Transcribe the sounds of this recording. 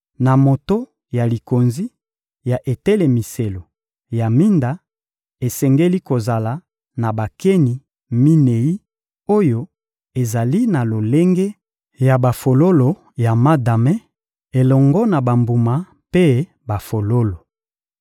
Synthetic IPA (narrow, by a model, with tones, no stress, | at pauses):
na˨mo˨to˦ | ja˨li˨ko˨nzi˦ | ja˨ʔe˨tɛ˦le˨mi˨se˨lo˨ | ja˨mi˦nda˨ | e˨sɛ˨ŋɡe˦li˦ko˨za˨la˨˦ | na˨ba˨ke˦ni˨ | mi˦ne˨ji˦ | o˦jo˦ | e˨za˨li˦na˨lo˨le˦ŋɡe˦ | ja˨ba˨fo˨lo˦lo˨ | ja˨ma˦da˨mɛ˦ | e˨lɔ˨ŋɡɔ˦na˨ba˨mbu˨ma˨ | pe˦ | ba˨fo˨lo˦lo˨